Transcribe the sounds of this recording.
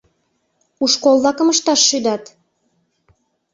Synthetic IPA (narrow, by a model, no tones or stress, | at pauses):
uʃkolˠːɑkəməʃt̪ɑʃːyd̪ɑt̪